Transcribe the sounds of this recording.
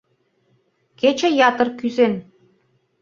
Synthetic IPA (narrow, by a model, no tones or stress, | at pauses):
ket͡ɕə̆jɑt̪ɤ̆rkyzen